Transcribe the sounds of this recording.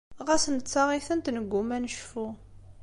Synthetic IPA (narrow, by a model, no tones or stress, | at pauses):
ʁæsənt͡sːɑʁiθənt̪nəɡʷːumænʃfu